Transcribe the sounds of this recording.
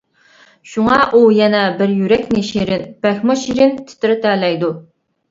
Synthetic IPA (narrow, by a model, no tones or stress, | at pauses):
ʃuŋɑʔujɛnɛbɪɾjyɾɛkʲnɪʃiɾɪnpɛxmʊʃiɾɪnt̪ʰɪ̥t̪ʰɪɾɪt̪ʰɛːlɛjd̪u